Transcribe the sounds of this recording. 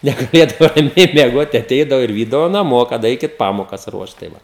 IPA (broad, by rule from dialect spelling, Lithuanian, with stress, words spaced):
nʲɛɡɐˈlʲeːdɐʋoː rɐˈmʲɛɪ mʲiɛˈɡoːt tɐɪ ɐˈtʲɛɪdɐʋoː ɪr ˈʋʲiːdɐʋoː nɐˈmoː kɐt ˈɐɪkʲɪt ˈpɑːmoːkɐs ˈruɔʃt tɐɪ ˈʋɐ